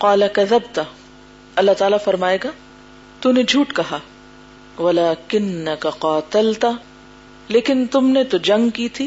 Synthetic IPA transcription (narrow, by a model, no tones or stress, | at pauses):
qɑːlɐkɐðɐbt̪ɐ | ɐlːaɦt̪aːlafɐɾmaːeːɡaː | t̪uned͡ʒʱuːʈkɐɦaː | ʋɐlaːkɪnːɐkaqaːt̪ɐlt̪ | leːkɪnt̪ʊmnet̪od͡ʒɐ̃ŋɡkiːt̪ʰiː